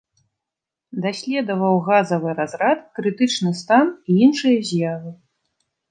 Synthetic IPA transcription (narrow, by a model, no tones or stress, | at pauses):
d̪asʲlʲɛd̪ɐvɐwɣazɐvɨɾazɾat̪kɾɨt̪ɨt͡ʂnɨst̪aniinʂɨjɐzʲjavɨ